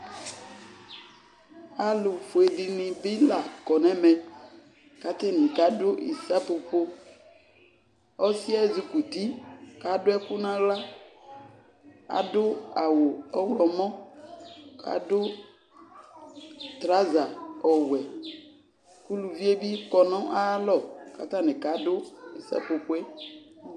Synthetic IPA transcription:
a˨lʊ˨fo˨e˨dɪ˨nɪ̃˨bi˦la˨kɔ˨nɛ̃˦mɛ̃˨ | ka˨t̪ɪ˦nĩ˨ka˨˦dʊ˦ḭ˨sa˦po˨ɸo˦ | ɔ˦si˦ɛ˦˨zu˨ku˨t̪i˦ka˨˦dʊ˦ɛ˦kʊ˦nã˦ɣla˦ | a̰˨dʊ˦a˨wo˨ɔ˦wlɔ˨mɔ̃˦ | ka̰˨dʊ˦ | t̪ɾa˦za˨ɔ˨wɛ˨ | ku˦lu˨vi˦e˦bi˦kɔ˨nɔ̃˦ʔa˦lɔ˦˨ka˨t̪ã˦nɪ̃˨ka˨˦dʊ˦i˨sa̰˦po˨po˦e˦

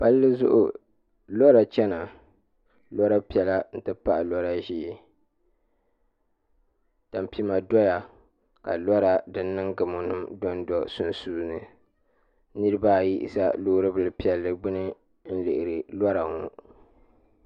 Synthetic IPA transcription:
pa˦lːɨ˦zʊ̰˦ʔʊ̰˨ | lɔ˦ɾa˨t͡ʃɛ˦na˨ | lɔ˦ɾa˦pi˨˦ɛ˨la˦n̩˦tɨ˦pa˦˨ʔa˨lɔ˦ɾa˦ʒiː˦˨ | ta˨m˨pi˦ma˨dɔ˦ja˨ | ka̰˨lɔ˦ɾa˨dɨ˦nː˦ɨ˦ŋɡɨ˨mo˨nɨ˦mdɔ˦n˦dɔ˨sʊ˦nsuː˦nɨ̰˨ | nɨ˦ɾɨ˦ba˦˨ji˦ʔḭ˦˨sa̰˦loː˦ɾɨ˦bɨ˨lɨ˨pi˦ɛ˨lːɨ˨bɨ˦nɨ˦ | n̩˦lɨ˨ʔɪ˨ɾɨ˨lɔ˦ɾa˨ŋu˦

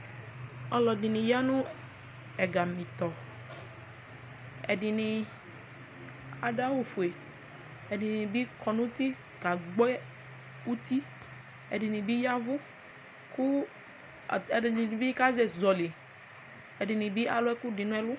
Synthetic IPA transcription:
ɔ˧lɔ˨dɪ˨nɪ˨ja˦nʊ̃˦ | ɛ˨ɡa˨mĩ˨t̪ɔ˨ | ɛ˨dɪ˨nɪ˨ | a˨da˦wu˨fu˨e˨ | ɛ˨dɪ˨ni˨bi˦kʰɔ˨nʊ̃˦ti˦ | ɡa˨ɡ͡bɛ˦ | u˦t̪i˦ | ɛ˨dɪ˨nɪ˨bi˦ja˦vʊ˦ | kʊ˦˨ | ni˨bi˦ka˦zɛ˨zɔ˨li˨ | ɛ˨dɪ˨nɪ˨bi˦ʔa˦lʊ˦ɛ˦kʊ˦dɪ˨nʊ̃˦ɛ˦lʊ˦

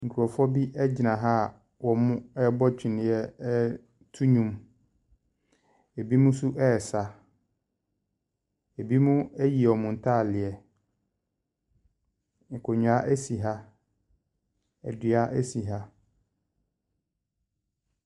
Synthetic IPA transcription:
ŋ̩˨kʰu˨ɾɔ˨fɔ˦bi˦ʔɛ˦d͡ʑɪ˨nã˨ɦa˦˨ | wɔ˨mʊ̃˦ɛ˦bɔ˦t͡ɕᶣɪ˨nɪ̃˨˦jɛ˦ | tʰu˦ɲũ˨m | e˨bi˦mũ˦su˦ʔɛ˦˨sa˨ | e˨bi˦mũ˦ɛ˦ji˨ɔ˨mʊ̃˨n̩˨tʰaː˦˨lɪ˨ɛ˨ | ŋ̩˨kʰo˨ɲũ˨a˦ʔæ˦si˨ɦa˦ | ɛ̰˨dɥa˦ʔæ˦si˨ɦa˦

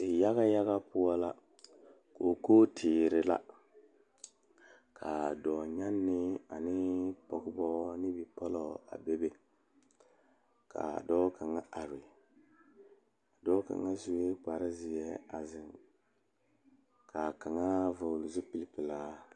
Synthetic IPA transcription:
ɪ˨ja˦ɣa˦ja˦ɣa˦pʊ˦a˦la˦ | ko˨koː˦tʰɪː˨ɾɪ˦la̰˦ | kʰa˨dɔ˨ɲa˦nːɪ˦a˨nɪ˦pɔ˨ɡɪ˦bɔ˦nɪ˦bi˨pɔ˦lɔ˨a̰˨be˦be˦ | kʰa̰˨dɔː˦ka˨ŋa˦ʔa˨ɾɪ˨ | a˨dɔ˦ka̰˨ŋːa˦zu˨we˦k͡pa˨ɾɪ˦zɪ˨ɛ˦a˨zɪ˨ŋ | kʰa˨ka˨ŋa˦vʊ˨lʊ˨zʊ˦pi˦lpɪ˨laː˦

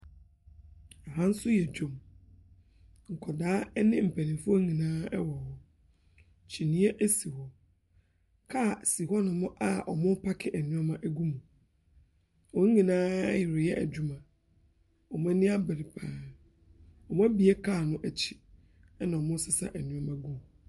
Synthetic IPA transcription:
a˨ɦã˦n̩˦sʊ˦jɛ˨d͡ʑᶣõ˨m | ŋ̩˨kʰɔ˨daː˦nɪ̃˦m̩˨pʰæ˨nɪ̃˨fʊ˦o˦ĩ˨nãː˦ɛ̰˦wɔ˨hɔ˨ | t͡ɕʰi˨nĩ˨˦ɛ˦ʔæ˦si˨hɔ˨ | kʰa˦˨si˨ɦɔ˦nʊ̃˨mʊ̃˦ʔa˨ʔɔ̰˨mʊ̃˦pʰa˦kʰɪ˨ʔæ˨nũ˦ɔ˦mã˦ʔæ˦ɡu˦mũ˨ | wɔ˦ŋ̩˦ĩ˨nãː˦jɪ˨ɾɪ˨jɛ˦ʔæ̰˨d͡ʑᶣu˦mã˨ | ɔ˨m˦ã˦nĩ˦a˦bɛ˨ɾi˨pʰaː˨˦ | ɔ˨mʊ̃˦æ˦bi˨e˦kʰa˦˨nʊ̃˦ʔæ˨t͡ɕʰi̥˦ | ɛ˦nã˨ɔ˨mʊ̃˦sɪ˦sa̰˦ʔæ˨nũ˦ɔ˦mã˦ɡũ˦mũ˨

